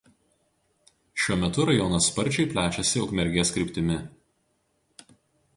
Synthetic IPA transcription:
ʃʲuɔmʲɛt̪ʊɾɐjɔnɐspɐɾʲt͡ʃʲɛɪpʲlʲæːt͡ʃʲɛsʲɪʊkmʲɛɾʲɡʲeːskɾʲɪːˑpʲt̪ʲɪmʲɪ

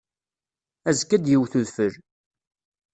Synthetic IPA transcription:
æzkːæd̪jiwθuðfəɾ

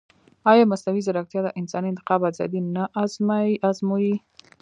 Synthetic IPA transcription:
ɑjɑmasnawizaɾakt̪jɑd̪əʔɪnsɑniɪnt̪ɪ̥qɑbazɑ̰d̪inaʔazmaazmoji

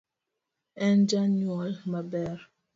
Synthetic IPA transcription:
ɛnd͡ʒanɔlmabɛɾ

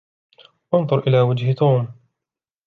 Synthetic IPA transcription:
wɑnðˤʊɾˤʔɪlaːwad͡ʒht̪ʰuːm

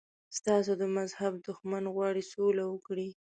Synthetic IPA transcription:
st̪ɑs̬od̪əmazhabd̪ʊxmanɣwɑɽisolawəkɽi

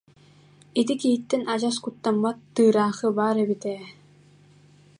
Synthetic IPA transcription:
it̪ikiɦit̪ːɛnad͡ʑaskut̪ːamːat̪ːɯːɾaːχɯbaːɾɛbit̪ɛː

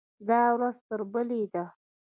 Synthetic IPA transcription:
d̪ɑwɾazt̪əɾbəled̪a

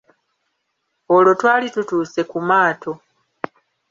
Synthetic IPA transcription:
olo̞twaːlitutuːse̞kumaːtʰo̞

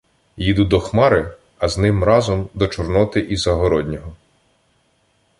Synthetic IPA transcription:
jid̪ud̪ɔxmɑɾɪ | ɐznɪmɾɑzɔmd̪ɔt͡ʃɔrnɔt̪ɪʔizɐɦɔɾɔd̪ʲnʲɔɦɔ

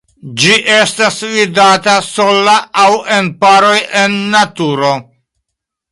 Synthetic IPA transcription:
d͡ʒiʔe̞stasvidataso̞laawenpaɾo̞je̞nːatuɾo̞

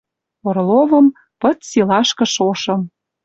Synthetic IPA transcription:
orlovɤ̆m | pɤ̆t̪silɑʃkɤ̆ʃoʃɤ̆m

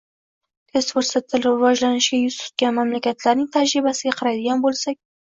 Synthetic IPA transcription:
t̪ʰesfoɾsat̪ʰːɪlɪvɒʒlanɪʃɡʲajʊst̪ʊ̥t̪̚ɡʲanmamlakʲat̪laɾnɪŋt̪ʰad͡ʒɾibasɪɡʲaqʰɑɾajd̪ɪɡʲanbolsakʲ

